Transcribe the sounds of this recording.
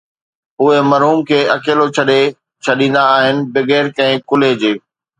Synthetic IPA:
ʊɦemɐɾɦuːmkʰeːɐkeːlot͡ɕʰɐɗe | t͡ɕʰɐɗĩːn̆d̪aːɦɪnɪ̆bɪɣeːɾkɐ̃ɦɪ̃kʊled͡ʑeː

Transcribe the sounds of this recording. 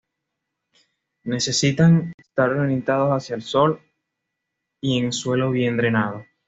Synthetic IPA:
ne̞se̞sit̪aŋest̪aɾronĩnt̪að̞o̞sasjaelso̞l | ie̞ŋswe̞lo̞βje̞nd̪ɾe̞naðo̞

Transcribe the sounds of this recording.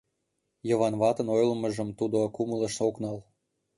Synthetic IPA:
jɤ̆βɑnβɑt̪ə̆nojlmə̆ʒə̆mt̪ud̪okuməlˠə̆ʃoknɑl

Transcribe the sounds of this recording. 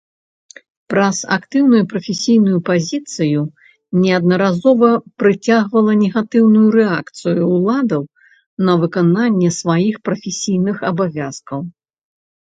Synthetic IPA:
pɾɐza̰kt̪ɨwnujupɾɐfʲɛsʲijnujupazʲit̪sɨju | nʲɛɐd̪̚nɐɾazɔvɐpɾɨt͡sʲaɣvɐlˠɐnʲɛɣat̪ɨwnujuɾɛakt̪sɨjuːlˠad̪ɐw | nɐvɨkananʲːɛsvajixpɾɐfʲɛsʲijnɨxɐbavʲaskɐw

